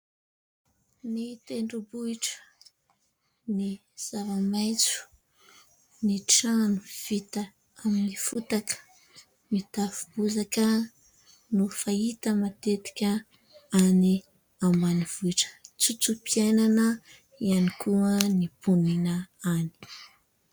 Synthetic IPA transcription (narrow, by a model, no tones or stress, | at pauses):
nit̪eɳɖ͡ʐubuiʈ͡ʂə̥ | ni | z̥avamajt͡su̥ | niʈ͡ʂanuv̥it̪ə | aminifut̪akə̥ | mit̪afu̥buzakə | nufait̪əmat̪et̪i̥kʲa | ani | ambaniv̥uiʈ͡ʂə̥t͡sut͡supiananə | ianikʰuənipuninaani̥